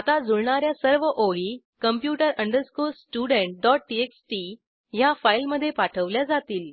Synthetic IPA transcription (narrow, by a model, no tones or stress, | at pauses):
at̪ad͡zuɭɳaɾjasəɾʋəʔoɭi | kəmpjuʈəɾəɳɖəɾskulsʈuɽeɳʈ̚ɖɔʈ̚ʈieksʈi | jafailməd̪ʱːjepaʈʰəʋljad͡zat̪iːl